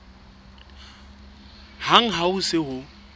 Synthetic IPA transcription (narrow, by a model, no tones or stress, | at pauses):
haŋ̩ɦaʊsɪɦʊ